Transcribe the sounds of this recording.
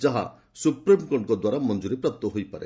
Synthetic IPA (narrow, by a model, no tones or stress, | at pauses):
d͡ʒaɦa̰ | supɾimkɔɳʈkɔd̪waɾamɔnd͡ʒuɾepɾap̚t̪ɔɦojpaɾḛ